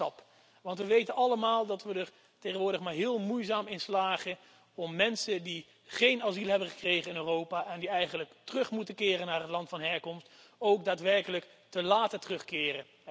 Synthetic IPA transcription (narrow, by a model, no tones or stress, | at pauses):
ɑp | ʋɑntʋəʋejtənʔɑləmaːlˠdɑtʋədər | tejχənʋʊːɹdəχmaːɹɦɪːlˠmujzaːmɪnslaːχə | ɔmːɛnsədi | χejnɑzilˠɦɛbəχə̥krejχənɪnøːrowpaːʔɛndiɛjχənləktərɵχmutəkɪːrənːaːrɦətlɑntfɑnɦɛɹkɔmst | owk̚daːtʋɛɹkələk | təlaːtətərɵχkɪːrə